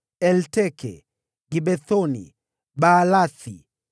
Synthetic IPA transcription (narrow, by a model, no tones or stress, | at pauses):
ɛltɛkʰɛ̰ | ɡibɛθɔnḭ | baːlaθḭ